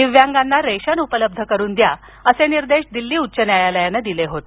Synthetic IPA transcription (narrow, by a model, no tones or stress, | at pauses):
iʋjaŋɡanːaɾeɕənupələb̚d̪ʱəkəɾuːnd̪ja | əseniɾd̪eɕd̪ilːiːutːɕənjajaləjanəd̪ileɦot̪